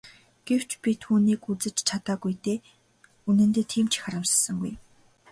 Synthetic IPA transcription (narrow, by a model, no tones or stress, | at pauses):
ɡ̥ew̥t͡ɕpʲit̪ʰuːniːkut͡sɘ̆t͡ɕt͡ɕʰat̪aːɡujt̪eː | unɘ̆nt̪eːt̪ʰiːmt͡ɕʰi̥xaɾə̆wsə̥̆sə̆ŋɡuj